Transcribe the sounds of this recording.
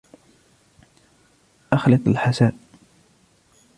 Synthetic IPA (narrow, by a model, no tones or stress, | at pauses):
ʔaxlɪq̪ˤalħasaːʔ